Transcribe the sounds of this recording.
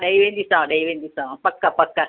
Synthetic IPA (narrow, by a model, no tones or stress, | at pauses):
ɗɐiʋẽnd̪isãɗɐiʋẽːnd̪isãpɐkːapɐkːa